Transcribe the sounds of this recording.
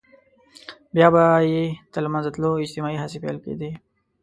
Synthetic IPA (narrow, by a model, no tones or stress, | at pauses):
bjaːbajet̪almãnzət̪loɪd͡ʒt̪ɪmaːiɦasipḛlkḛd̪e